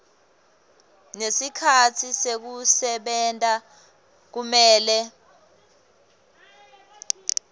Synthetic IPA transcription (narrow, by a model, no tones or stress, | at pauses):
nesikʰatʰisek̬usɛɓɛntʼa | k̬umɛːlɛ